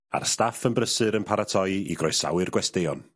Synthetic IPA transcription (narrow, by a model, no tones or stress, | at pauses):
a̰rstafənbrəsɨɾənpʰaɾatʰɔjḭɡrɔjsa̰wɨrɡwɛsteɔn